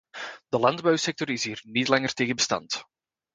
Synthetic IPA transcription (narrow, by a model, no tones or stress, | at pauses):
d̥əlɑndbœwsɛk̚tɔrɪsɦiːrnitlɑŋərteːɣənbəstɑ̰nt